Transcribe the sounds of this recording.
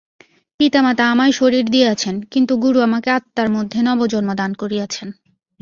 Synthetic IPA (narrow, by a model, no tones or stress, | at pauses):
pit̪amat̪aamaeʃoɾiɾd̪ijeat͡ɕʰenkint̪uɡuɾuamakeat̪ːaɾmod̪ʱːenɔbod͡ʑonmod̪ankoɾiat͡ɕʰen